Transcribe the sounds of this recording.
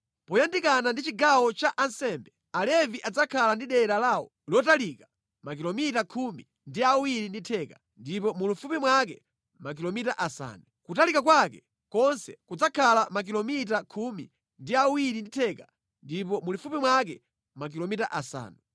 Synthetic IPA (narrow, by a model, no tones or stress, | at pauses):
pɔjandikanandit͡ʃiɡawɔt͡ʃaʔansɛmbɛ | alɛviʔad͡zakʰalandiɗɛɗalawɔ̰ | lɔtalikḁ | makilɔmitakʰumi | ndiawiɾinditʰɛkḁ | ndipɔmulufupimwak̬ɛ | mak̬ilɔmita̰ʔasa̰ːnukutalikakwakɛ | kɔnsɛkud͡zakʰalamak̬ilɔmit̬akʰumi | ndiawiɾinditʰɛka | ndipɔmulufupimwak̬ɛ | mak̬ilɔmitaʔasa̰ːnu